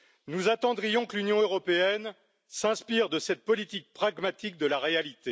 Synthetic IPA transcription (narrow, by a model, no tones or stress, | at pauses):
nuzat̪ɑ̃d̪ʁijɔ̃klynjɔ̃øʁɔpeɛn | sɛ̃spiʁd̪əsɛt̪̚pɔlit̪ik̚pχaɡmat̪ik̚d̪əlaʁealit̪e